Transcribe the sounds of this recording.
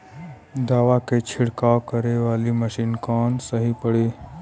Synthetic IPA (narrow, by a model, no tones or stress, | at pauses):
d̪aːʋaket͡ʃʰɪɽkawkəɾeʋaːliməʃiːnkɔːnsəɦipəɽe